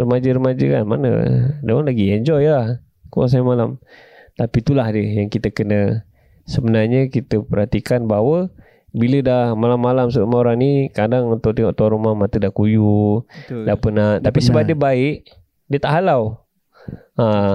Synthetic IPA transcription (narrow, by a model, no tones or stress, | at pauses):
rəmad͡ʒəɾəmad͡ʒəka̰nmanə̰dawanlaɡiɛɲd͡ʒɔjlah | kua̰s̬ajamalamt̪apit̪ulahdəjaŋkit̪əkənə | səbənarɲəkit̪əpəɾɦat̪ikanbaɦwə | bilədahmalamːalamsəɾumaoɾaŋnikadaŋunt̪ʊʔ̚t̪iŋɔʔ̚t̪uaɾumahmat̪ədahkuju | dahpənaʔt̪apisəbadiəbaɪʔ | diət̪aʔɦalaw | a